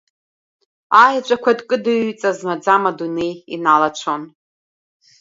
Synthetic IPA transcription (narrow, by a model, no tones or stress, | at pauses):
ajat͡ʃʷʼakʷʰadkʼɨdɨɥt͡sʼazmad͡zamadune̞jḭnalat͡ʃʷʰon